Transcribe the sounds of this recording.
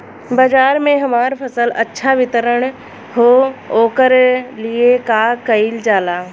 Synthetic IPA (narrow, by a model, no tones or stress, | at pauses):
baːd͡ʒaːɾmẽɦɐmaːɾpʰɐsəlɐtːʃʰaʋɪt̪əɾəɽ̃ | ɦoːoːkəɾliekakɐɪld͡ʒaːlaː